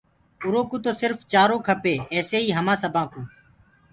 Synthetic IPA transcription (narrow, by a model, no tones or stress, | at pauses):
ʊɾoːkũːt̪oːsɪɾft͡ʃaːɾõːkʰəpeːɛːseːiːɦəmãːsəbʱãːkũː